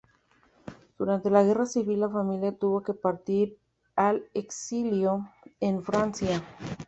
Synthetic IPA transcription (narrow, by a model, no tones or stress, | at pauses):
d̪̥uɾant̪e̞laɣe̞rasiβilːafamiljat̪uβo̞ke̞paɾt̪iɾ | aleksiljo̞enfɾansja